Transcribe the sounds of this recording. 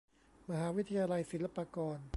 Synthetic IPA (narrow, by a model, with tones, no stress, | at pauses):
ma˧ɦaː˩˨˦wi˦˥t̪ʰa˧jaː˧la˧jsi˨˩˦la˧˥paː˧kɔː˧n